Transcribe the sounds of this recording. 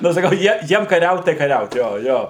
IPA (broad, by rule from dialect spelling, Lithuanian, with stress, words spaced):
nʊ sɐˈkɐʊ ˈjiɛ ˈjiɛm kɐˈrʲɛʊt tɐɪ kɐˈrʲɛʊt ˈjoː ˈjoː